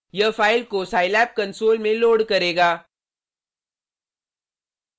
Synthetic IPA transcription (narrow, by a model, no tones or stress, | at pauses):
jɐfaːɪlkosaːɪlɛːp̚kɐ̃nsoːlmẽloːɽkɐɾeːɡaː